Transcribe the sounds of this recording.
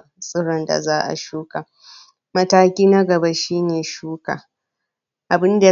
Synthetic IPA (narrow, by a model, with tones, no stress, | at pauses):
sʼɪ˦ɽɐ˨nda̰˨zaː˦ʔa̰˨ʃuː˦ka˨ | mɐ˦taː˦kʲiː˦na˦ɡɐ˨ba˦ʃiː˦neː˨ʃuː˦ka̰ː˨ | ʔa˨bɪ˦nda˨